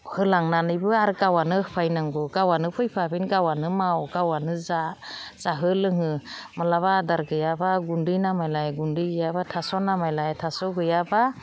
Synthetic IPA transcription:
hɯlaŋnanɯjbɯaɾɯɡawanɯɯpʰajnaŋɡɔɡawanɯpʰɯjpʰabinɡawanɯmawɡawanɯzaz̥aɦɯlɯŋɯmalaβadaɾɡɯjabaɡundɯjnamajlajɡundɯɡɯjabatʰasɔnamajlajtʰasɔɡɯjaba

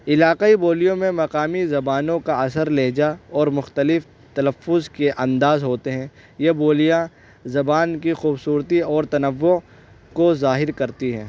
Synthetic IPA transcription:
ɪlaːqaiboːlijõmẽmɐqaːmizɐbaːnõkaɐsəɾleːd͡ʒaɔːɾmʊxt̪əlɪf | t̪ɐləfːʊzkeʔɐ̃nd̪aːzɦoːt̪eɦɛ̃ | jeboːlijã | zɐbaːnkixuːbsuːɾt̪iɔːɾt̪ɐnəʋːʊ | kozaːɦɪɾkɐɾt̪iɦɛ̰̃ː

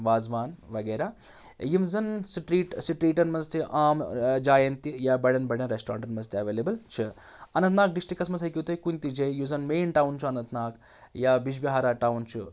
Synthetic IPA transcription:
ʋaːzʋaːnʋɐɡeːɾaː | jimzɐnsiʈɾiːʈsiʈɾiːʈɐnmɐnzt̪iʔaːmd͡ʒaːjɐnt̪ijaːbɐɽɐnbɐɽɐnɾeːsʈɾa̰ːɳʈɐnmɐzt̪ʰiɐʋeːleːbɐlt͡ʃʰi | ɐnɐ̃nt̪naːk̚ɖisʈikːɐsmɐsɦɐjkʲit̪ɐjkunʲt̪id͡ʒejuzɐnmeːnʈaːwnt͡ʃʰuɐnɐnt̪ʰnaːk | jaːbid͡ʒbiɦaːɾaːʈaːwnt͡ʃʰu

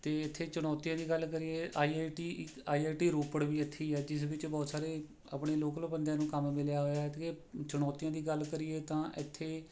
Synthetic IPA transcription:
t̪eːɪt̪ʰːeːt͡ʃʊɽ̃ɔːt̪ijãːd̪iːɡəlkəɾiːeːʔaːiːaːʈiːaːiːaːʈiːɾoːpəɽʋiːət̪ʰːiːɛːd͡ʒɪsʋɪt͡ʃbɔːt̪saːɾeː | a̰pɳ̃eːloːkləbənd̪ãːnũːkəmmɪljaːɦoːjaːt̪et͡ʃʊɽɔːt̪ijãːd̪iːɡəlkəɾiːeːt̪ãːʔɪt̪ʰːeː

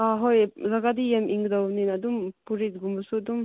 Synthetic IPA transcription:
aɦojzaɡad̪ijemʔiŋɡd̪awninɐd̪umpuɾit̪̚ɡumbusuɐd̪um

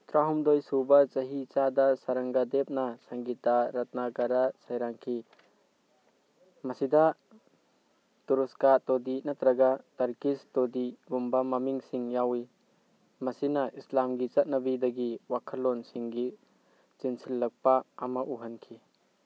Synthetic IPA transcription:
t̪ɾaɦumdojsubɐt͡ʃɐɦit͡ʃadasɐɾɐŋɡadep̚nasaŋɡitaɾɐt̪̚nakaɾasajɾaŋkʰi | mɐsidɐ | tuɾuskatɔdinat̪ɾɐɡataɾkistodiɡumbamɐmiŋsiŋjawi | mɐsinɐʔislamɡit͡ʃɐt̚nɐbidɐɡiwakʰɐlːɔnsiŋɡi | t͡ʃinsilːɐk̚paːmɐʔuɦɐnkʰi

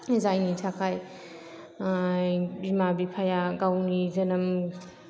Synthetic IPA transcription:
zajnitʰakʰaj | bimabipʰajaɡawnizɐnɐm

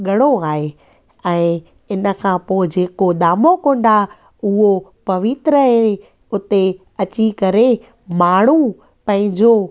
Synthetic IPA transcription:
ɠɐɽ̃oaːɦe | ɛ̃ː | ɪnə̆kʰãːpoːɪd͡ʑeːkoɗ̪aːmokõːɳɖa | ʊɦopɐʋɪt̪ɾəe | ʊt̪e | ɐt͡ɕikɐɾe | maːɳ̤u | pɐ̃ɦɪ̃ɲd͡ʑo

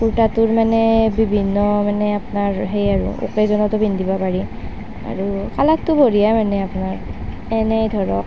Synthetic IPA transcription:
kuɹtatʊɹmanɛbibʱinːɔmanɛapnaɹɦejaɹṵo̰kezɔnɔtɔbʱindibɔpaɹi | a̰ɹukalat̚tʊbʱoɹijamanɛapunaɹ | ɛnɛjdʱɔɹɔk̚

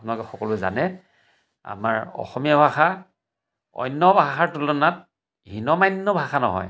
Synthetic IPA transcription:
pʊnalʊkɛxɔkɔlʊza̰nɛ | a̰ma̰ɹɔ̰xɔmijabʱaxa | ɔ̰jnːɔbʱaxaɹtulɔnat̚ | ɦinɔmajnːɔbʱaxanɔ̰ɦɔ̰j

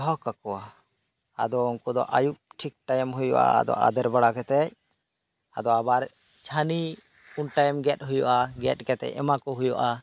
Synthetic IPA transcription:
ɦɔkakɔwa | a̰d̪ɔɔŋkɔd̪ɔ̰ʔajuʔ̚ʈʰik̚ʈajmɦujɔ̰ʔa̰a̰d̪ɔ̰ʔa̰d̪ɛɾbaɽakɛt̪ɛc̚ | ad̪ɔabaɾ | t͡ʃʰani | unʈajmɡɛt̚ɦujɔʔaɡɛt̪̚ˀkɛt̪ɛ̰c̚ɛmakɔɦujɔʔa

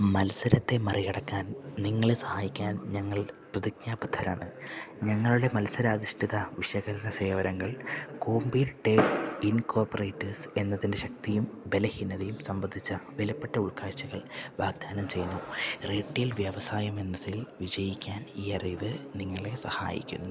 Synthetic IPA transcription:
mɐlsɐɾɐt̪ːe̞mɐrijɐɽɐkːaːnniŋːɐɭesɐ̥haːjikʲːaːnɲɐŋːɐɭprɐðikɲaːbɐt̪ʰːɐɾa̰ːɳɨɲɐŋːɐɭuɽe̞mɐlsɐɾɐːd̪iʂʈʰiðɐʋiɕɐɣɐlɐnɐse̞ːʋɐɾɐŋːɐɭko̞ːmbiʈːeinko̞ːrpore̞ːtːɐrse̞nːɐðinde̞ɕɐk̚t̪ijumbe̞lɐhinːɐðɐjumsɐmbɐnd̪ʱit͡ɕːɐʋelɐpːeʈːɐuɭkaːɕɐɣɐɭʋaːɡ̚d̪ʱaːnɐmt͡ɕe̞junːureːʈːilʋjɐʋɐsaːjɐme̞nːɐðilʋid͡ʑɐjikʲːaːniːɐriːʋɨniŋːɐɭe̞sɐha̰ːjḭkʲːṵnːu

